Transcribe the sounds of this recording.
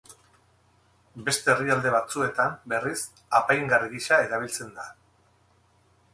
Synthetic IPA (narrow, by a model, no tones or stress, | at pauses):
be̞st̪e̞ːriald̪e̞β̞at͡sue̞t̪ambe̞ris | apajŋɡaɾɣiʃae̞ðaβ̞ilt͡se̞nd̪a